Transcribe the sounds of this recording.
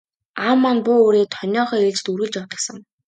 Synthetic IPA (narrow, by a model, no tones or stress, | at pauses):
aːmːanpʊoːɾeːt̪ʰɔnʲɔːχœːeɮt͡ɕ̆t̪uɾɣɘ̆ɮt͡ɕɔwt̪ə̆ksə̆ŋ